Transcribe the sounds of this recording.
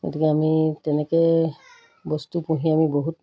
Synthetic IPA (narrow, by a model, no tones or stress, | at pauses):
ɡo̰tikɛamitɛnɛkɛ | bɔstupũɦĩamiboɦut